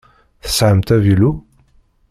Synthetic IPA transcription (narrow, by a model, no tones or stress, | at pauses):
θə̥sʕəmt̪ævilu